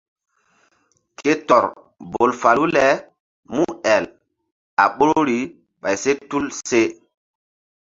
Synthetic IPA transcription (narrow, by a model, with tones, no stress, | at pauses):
kʰe˦tɔ˨ɾ | bo˨lfa˨lu˦lɛ˨˦ | mu˦ɛ˨l | a̰˨ɓo˦ɾo˦ɾi˨˦ | ɓa˨jse˦tu˦lse˦